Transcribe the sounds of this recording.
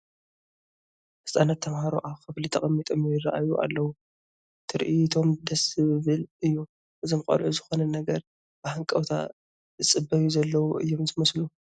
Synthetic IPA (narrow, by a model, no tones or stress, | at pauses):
ʔɨsʼanat̪ʰːɐmhaɾo̰ʔaβxɨflit̪ʰɐχʼɐmːit̪ʼomjɪra̰ʔajuʔa̰lːɐwu | t̪ʰɨɾʔit̪ʰo̞md̪ɐsɨβɨlɨjːu | ʔɨzomkʼɐ̰lʕuzɨxo̞nɐnɐɡɐɾ | bahɨŋkʼɐwt̪ʰa̰ | zɨt͡sʼɨbɐjuzɐlːɐwuʔɨ̰jːo̞mzɨmɐslu